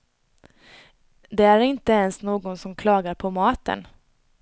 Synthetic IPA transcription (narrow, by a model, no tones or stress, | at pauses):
d̪ɛæɾɪnt̪əɛnsnoːɡɔnsɔmkʰlɑːɡaɾpʰɔmɑːt̪ə̰n